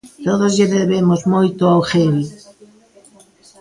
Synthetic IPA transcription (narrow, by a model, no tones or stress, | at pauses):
t̪oðozʝeðeβemozmojt̪ʊawxeβi